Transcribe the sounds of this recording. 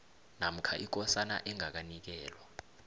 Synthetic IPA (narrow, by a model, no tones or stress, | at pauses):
nam̩kʰaʔik̬ɔsana̰ʔɛŋak̬anik̬ɛːlwa